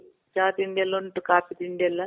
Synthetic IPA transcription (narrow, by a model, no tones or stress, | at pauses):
t͡ʃaːt̪iɳɖelːɐɳʈukaːpit̪iɳɖelːɐ